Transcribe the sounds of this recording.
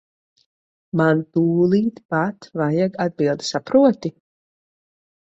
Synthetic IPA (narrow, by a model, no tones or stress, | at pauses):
mant̪uːlˠiːt̪pat̪vajaɡad̪̚bilˠd̪i̥sapɾuɔt̪i